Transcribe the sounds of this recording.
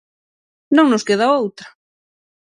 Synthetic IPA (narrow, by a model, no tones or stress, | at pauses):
nõŋnoskeð̞aowt̪ɾa